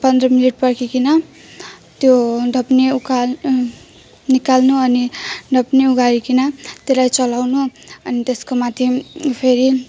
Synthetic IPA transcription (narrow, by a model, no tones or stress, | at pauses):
pʌnd̪rʌmiliʈ̚pʌrkʰikinʌ | t̪joɖʱʌpneuka | nikalnuʌniɖʱʌpneuɡaɾikinʌt̪elajt͡sʌlawnuʌnit̪eskomat̪ʰjepʰeɾi